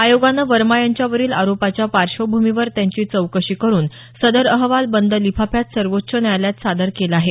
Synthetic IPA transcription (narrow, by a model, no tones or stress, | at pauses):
ajoɡanːəʋəɾmajaɲt͡ɕjaʋəɾiːla̰ɾopat͡ɕjapaɾʂəwbʱumiʋəɾt̪jaɲt͡ɕiːt͡səwkəɕiːkəɾuːn | səd̪əɾəɦʋalbənd̪əlipʰapʰjat̪səɾʋotːɕʰənjajljat̪sad̪əɾkelaɦe